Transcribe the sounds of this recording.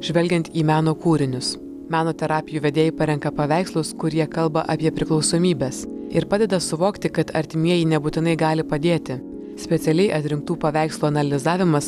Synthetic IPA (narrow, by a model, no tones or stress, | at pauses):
ʒ̥ʲʋʲɛlʲɡʲɛnt̪iːmʲæːnoːkuːɾʲɪnʲʊs | mʲæːnoːt̪ʲɛɾɑːpʲɪjuːʋʲɛd̪ʲeːjɪpɐɾʲɛŋkɐpɐʋʲæˑɪkslˠʊskʊɾʲjiɛkɐlˠbɐʔɐpʲiɛpʲɾʲɪklˠɒʊsoːmʲiːbʲeːsɪɾpɑːd̪ʲɛd̪ɐsʊʋoːkt̪ʲɪkɐt̪ʰɐ̰ɾʲt̪ʲɪmʲiɛjɪnʲɛbuːt̪ʲɪnɐɪɡɑːlʲɪpɐd̪ʲeːt̪ʲɪ | sʲpʲɛt̪sʲɛlʲɛɪʔɐt̪ʲɾʲɪŋk̚t̪uːpɐʋʲæˑɪkslˠuːɐnɐlʲɪzɑːʋʲɪmɐs